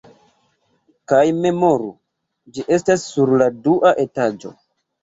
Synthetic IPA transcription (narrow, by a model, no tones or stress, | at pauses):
kajme̞mo̞ɾu | d͡ʒiʔe̞stasːuɾladuʔaʔe̞tad͡ʒo̞̰